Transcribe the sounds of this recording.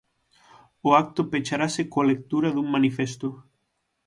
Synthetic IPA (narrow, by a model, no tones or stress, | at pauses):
oak̚t̪opet͡ʃaɾasekoalek̚t̪uɾaðuŋmanifest̪o